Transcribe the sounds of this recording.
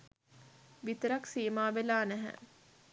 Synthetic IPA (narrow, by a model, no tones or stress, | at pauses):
ʋit̪əɾaksiːmaːʋelaːnæɦæ̰